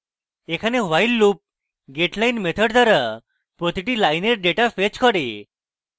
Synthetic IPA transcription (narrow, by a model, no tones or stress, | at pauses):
ekʰaneʋajlːuːp̚ | ɡeʈlainmet̪ʰəɽt̪ʰəɾə | pɾɔt̪iʈilajneɾɖeʈafet͡ɕkʰəɽe